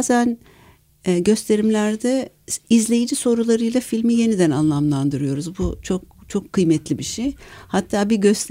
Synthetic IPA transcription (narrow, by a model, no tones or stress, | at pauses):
zænː | ɟø̞st̪ʰe̞ɾimlʲæɾd̪ɛ | izlʲe̞jid͡ʒiso̞ɾulˠaɾɯjlˠafilʲmije̞nid̪ænanlˠamlˠand̪ɯɾɯjo̞ɾuzbut͡ʃʰo̞k̚t͡ʃʰo̞kʰːɯjmɛt̪ʰlʲibiʃejhat̪ʰːaːbiɟø̞st̪ʰ